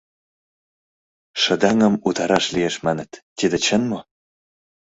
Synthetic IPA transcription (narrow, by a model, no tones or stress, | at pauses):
ʃə̆d̪ɑŋə̆mut̪ɑɾɑʃlieʃmɑnə̆t̪ːid̪ĕt͡ɕə̆nmo